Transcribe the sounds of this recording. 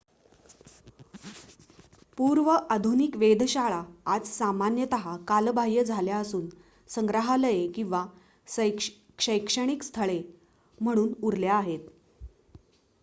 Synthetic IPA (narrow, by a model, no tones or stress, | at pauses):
puɾʋəʔad̪ʱunikʋed̪ʱɕaɭaad͡zsamanjət̪əɦakalbʱaɦjəd͡zʱaljaəsuːn | səŋɡɾaɦaləjekĩw̃ʋa | kʂəjkʂəɽ̃ikst̪ʰəɭe | m̤əɽ̃uːnuɾljaːɦet̪